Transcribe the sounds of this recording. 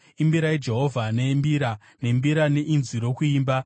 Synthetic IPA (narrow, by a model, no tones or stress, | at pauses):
imbiɾaid͡ʒe̞ɦo̞vʱanembiɾa | ne̞mbiɾane̞ʔinziɾo̞kuiːmba